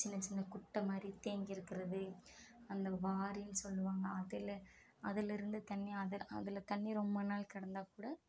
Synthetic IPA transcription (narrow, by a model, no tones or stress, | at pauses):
t͡ʃɪnːɐt͡ʃɪnːɐkʊʈːɐmaːd̪ɾit̪eːŋɡɪɾɯkːɪɾɐðɯɐnd̪ɐʋaːɾijnsɔlːɯʋaːŋɡɐːðɪl | ɐðɪlɪɾɯnd̪ɯt̪ɐnːiɐðɪɐðɪlt̪ɐnːiɾɔmbɐnaːlkɐɽɐnd̪aːkuːɽɐ